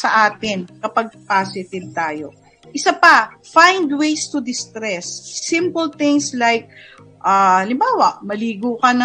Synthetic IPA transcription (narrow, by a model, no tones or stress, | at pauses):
sɐʔaːt̪ɪnkɐpɐɡ̚pasɪt̪ɪv̚t̪aːjo̞̰ | ʔɪsapɐfãjnd̪wejst̪ʊd̪ɪst̪ɾɛsːɪ̃mpəlt̪ɪ̃ŋslajk̚ | ʔaɐlɪmbaːwɐʔmɐliːɡukɐnɐ